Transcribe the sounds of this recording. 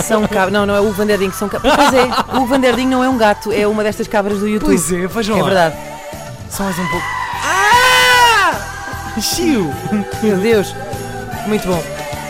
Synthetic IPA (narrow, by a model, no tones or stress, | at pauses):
sɐ̃w̃kaβnɐ̃w̃nɐ̃w̃ɛuvɐ̃nd̪ɛɾðĩɲusɐ̃w̃kappojzɛuvɐ̃nd̪ɛɾðiɲnɐ̃w̃ɛũɡat̪uɛumɐðɛʃt̪ɐʃkaβɾɐʒðujut̪pujzɛfaʒ̃ɛvɨɾðað | sɐ̃w̃ɐzũpoka | ʃiumewðewʃ | mũj̃t̪uβõ